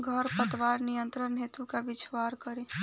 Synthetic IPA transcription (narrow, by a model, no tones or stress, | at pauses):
ɡʱəɾpət̪ʋaːɾnijə̃nt̪ɾənɦet̪ukabɪt͡ʃʋaːɾkəɾẽ